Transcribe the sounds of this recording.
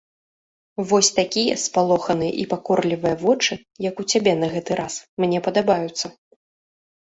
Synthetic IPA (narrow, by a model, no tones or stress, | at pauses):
vɔsʲt̪akʲijɐspalˠɔxɐnɨjɛ̰ʔipakɔrlʲivɨjɐvɔt͡ʂɨ | jɐkut͡sʲabʲɛnɐɣɛt̪ɨɾʔasmnʲɛpɐd̪abajut̪sːɐ